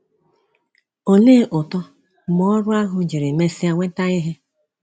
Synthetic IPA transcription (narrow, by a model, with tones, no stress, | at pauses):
o˨leː˦ʔʊ˨tɔ˦ | mɔ˦ɔ˦ɾʊ˦a˦ɦʊ˨d͡ʒi˨ɾɪ˨me˦si˦a˦ŋʷe˦ta˦ɪ˦ɦɪ˦